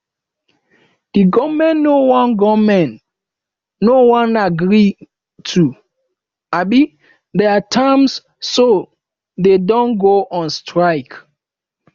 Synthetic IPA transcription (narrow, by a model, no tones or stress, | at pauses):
diɡɔmɛ̃nːowɔ̃nɡɔmɛ̃nː | owɔ̃naɡɹi | tʰu | abi | dɛatʰãms | so | dedɔ̃nɡoʔɔ̃nstʰɹaɪk